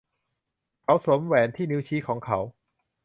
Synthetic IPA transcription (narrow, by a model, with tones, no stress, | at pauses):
kʰa˨˥wso˩˦mwɛː˨˩˦nt̪ʰiː˥˩ni˦˥wt͡ɕʰiː˦˥kʰɔː˩˦ŋkʰa˦˥w